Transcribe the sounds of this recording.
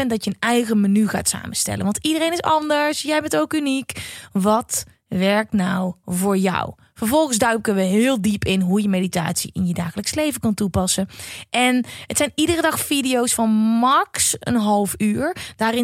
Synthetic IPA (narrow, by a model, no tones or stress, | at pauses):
ɛndɑtjəənɛjɣəmanyɣa̰ːtsa̰ːməstɛ̰lə̰nʋɑ̃ntidərejnɪsɑndəɹsjɛjbɛntowkynikʋɑt | ʋɛɹk̚tnawvoːɹjɔ̰w | vəɹvɔlˠɣənszdœɥkənʋəɦɪːlˠdipɪnɦujəmejdita̰ːtsḭʔɪnjədaːɣələkslejvəkɑntupɑsənʔɛnɦətsɛjnidərədɑxfidiowsfɑnmɑksə̰nɦɑlˠfyːɹd̥aːrɪ